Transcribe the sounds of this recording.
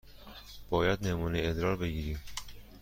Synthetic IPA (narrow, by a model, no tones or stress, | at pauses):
b̥ɒːjæd̪nemuːneːd̪ɾɒːɾbeɡiːɾiːm